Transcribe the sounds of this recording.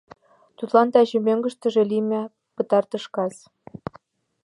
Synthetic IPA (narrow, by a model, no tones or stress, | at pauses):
t̪ut̪lˠɑnt̪ɑʑɘ̆mʲĕŋɡɤ̆ʃt̪ɤ̆ʐĕlʲimʲɘ̆ | pɤ̆t̪ɑrt̪ɤ̆ʃkɑs